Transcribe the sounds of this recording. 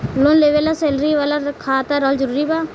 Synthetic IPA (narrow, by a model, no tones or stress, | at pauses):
loːnleːʋelaseːlɾiʋaːlakʰaːt̪aːɾɔːld͡ʒəɾuːɾibaː